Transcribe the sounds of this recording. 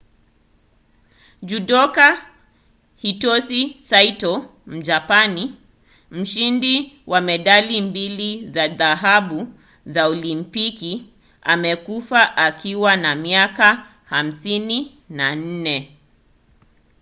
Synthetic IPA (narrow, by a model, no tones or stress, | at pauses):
d͡ʒuɗɔka | hitɔsisaitɔ | m̩d͡ʒapani | m̩ʃindiwʔamɛɗalimbilizaðaɦaɓu | zaɔlimpiki | a̰mɛkufaʔakiwanamiaka | ham̩sini | nan̩nɛ